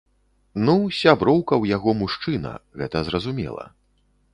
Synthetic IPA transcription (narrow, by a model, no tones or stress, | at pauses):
nusʲabɾɔwkɐwjaɣɔmuʂt͡ʂɨnɐ̰ɣɛt̪ɐzɾɐzumʲɛ̰lˠɐ̰